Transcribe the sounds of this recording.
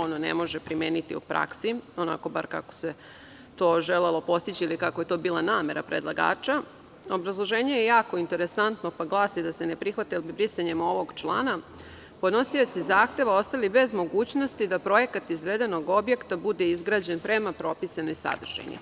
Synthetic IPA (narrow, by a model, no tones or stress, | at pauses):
o̞nonḛmo̞ʒepɾimeːnit̪ḭṵpɾʔa̰ksio̞na̰koba̰ɾka̰ko̥se̞ | t̪o̞ːʒelelˠo̞po̞st̪it͡ɕiilikakoje̞t̪o̞ːbiːlˠanaːme̞ɾa̰pɾed̪lˠaɡa̰ːt͡ʃa | o̞bɾazlˠo̞ʒe̞ːɲe̞jejaːko̞int̪e̞ɾe̞sant̪no̞paɡlˠaːsid̪asenepɾixʋat̪ilbibɾisaɲemo̞ʋo̞ɡt͡ʃlˠa̰ːna | pod̪no̞sio̞t̪sizaːxt̪e̞ʋao̞st̪alibe̞zmo̞ɡuːt͡ɕno̞st̪id̪apɾo̞je̞kat̪izʋe̞d̪e̞no̞ɡo̞bje̞kt̪abud̪e̞izɡɾaːd͡ʑe̞npɾe̞mapɾo̞pisanojsa̰d̪r̩ʒ̥ḛɲḭ